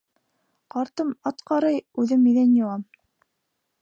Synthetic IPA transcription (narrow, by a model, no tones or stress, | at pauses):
qɑɾt̪ɤmɑt̪qɑɾɤjʉðɘmiðænjoʁɑm